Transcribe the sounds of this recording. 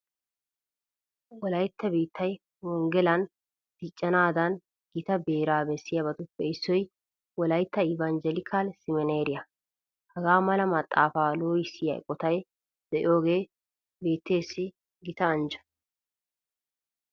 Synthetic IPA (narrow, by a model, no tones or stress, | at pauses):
wɔlɐjt̪ʰːɐbiːt̪ʰːɐj | wɔŋɡɛlɐn | d̪̥ɪt͡ʃʼːɐnaːd̪ɐn | ɡ̥ɪt̪ɐbe̞ːɾaːbɛsːɪjɐbɐt̪ʊpːɛɪsːɔj | wɔlɐjt̪ːɐɪvand͡ʒɛlɪkʰaːlsɪmɛneːɾɪjɐ | hɐɡaːmɐlɐmɐt̪ʼːaːfaːloːjɪsːɪjɐ̰jkʼɔt̪ɐj | d̪̥ɛʔɪjo̞ːɡe̞ː | be̞ːt̪ːe̞ːsːɪ | ɡɪt̪ɐːnd͡ʒɐ̥